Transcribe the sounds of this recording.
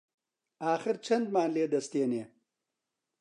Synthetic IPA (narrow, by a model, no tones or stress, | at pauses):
aːxɪɾt͡ʃʰɐnd̪maːnleːd̪ɐst̪eːneː